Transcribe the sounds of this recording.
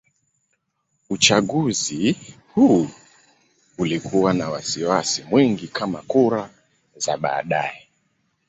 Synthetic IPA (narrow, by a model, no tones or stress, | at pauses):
ut͡ʃaɠuzi | hu | ulikʰuwanawasiwasimwiŋɡikʰamakuɾa | zaɓa̰ːɗajɛ